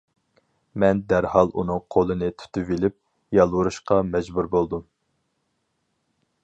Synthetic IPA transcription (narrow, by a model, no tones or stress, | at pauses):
mɛnd̪æɾhɑlˠunɨŋqʰolˠɨnɨt̪ʰy̥t̪ʰyvilɪp̚ | jɑlˠwuɾuʃqɑmɛd͡ʒbuɾbolˠd̪um